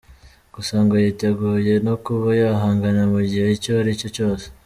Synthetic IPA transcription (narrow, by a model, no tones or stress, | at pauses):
ɡ̥usaːŋɡajiteɡuːje̞nokuβajaɦaːŋɡanamuɟiheicoaɾico̞t͡ʃo̞ːse̥